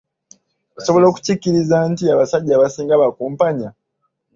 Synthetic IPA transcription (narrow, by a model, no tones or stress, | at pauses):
oso̞βo̞lo̞ːku̥cicːiɾizantiaβasaɟːaːβasiːŋɡaβakuːmpaɲa